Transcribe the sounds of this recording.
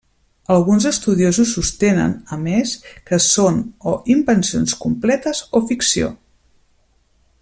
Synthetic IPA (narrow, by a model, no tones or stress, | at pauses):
əlˠɣunzəst̪uðiozusːust̪enə̰nəmeskəsonoʔimbənsionskumplɛt̪əzofiksio̰